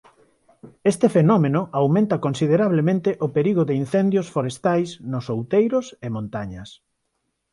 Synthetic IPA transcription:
est̪ɪfenɔmenʊʔawmẽnt̪ɐkonsiðeɾaβ̞lemẽnt̪ɪʔʊpeɾiɣʊðɪin̟θend̪josfoɾest̪ajsnʊsowt̪ejɾʊsemõnt̪aɲɐs

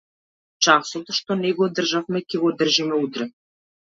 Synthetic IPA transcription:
t͡ʃasot̪ʃt̪onɛɡod̪r̩ʒafmɛkʲɛɡod̪r̩ʒimɛut̪ɾɛ

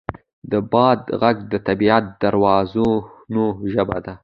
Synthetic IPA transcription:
d̪əbɑd̪ɣaɡd̪ət̪abiat̪̚d̪̥aɾwɑzonoʒəba̰d̪a

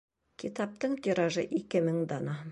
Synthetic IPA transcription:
kʲʰit̪ɑp̚t̪əɴt̪ʰeɾɑʒəʔekʲɪməŋd̪ɑnɑ

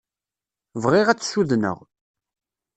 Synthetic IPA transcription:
vʁɪʁæt͡sːsuðnə̰ʁ

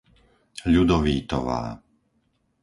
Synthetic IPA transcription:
ʎud̪ɔʋiːt̪ɔ̰ʋa̰ː

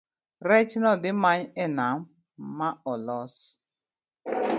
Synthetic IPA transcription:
ɾɛt͡ʃnɔdɪmaɲɛnam̩ | maɔlɔs

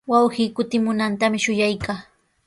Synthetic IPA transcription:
wawɢiːkʊt̪ɪmʊnant̪amɪʃʊjajkaː

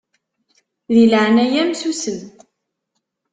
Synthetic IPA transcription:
ðilʕənæjæmsusən

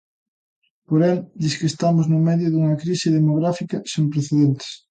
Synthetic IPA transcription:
poɾeld̪iskest̪amoznomeðjoðuŋakɾiseðemoɣ̞ɾafikasempɾeθeðent̪e̥s

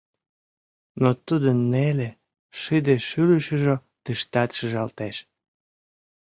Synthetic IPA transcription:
not̪ud̪ənːele | ʃid̪eʃyləʃəʒo | t̪əʃt̪ɑt̪ʃəʒɑlt̪eʃ

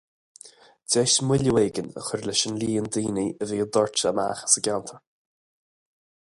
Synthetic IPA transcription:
dɛːʃmwɪləweːɡənə̰xʊɹləʃənliːənd̪iːniəviːəd̪ɔɹt͡ʃəma̰xə̥səɡʲawnt̪ʰəɹ

